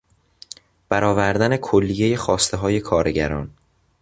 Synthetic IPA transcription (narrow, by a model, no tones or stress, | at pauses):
b̥æɾʔɒːvæɾd̪æne̞kʰolːijeje̞xɒːst̪ʰeɦɒːje̞kʰɒːɾeɟæ̰ɾɒ̰ːn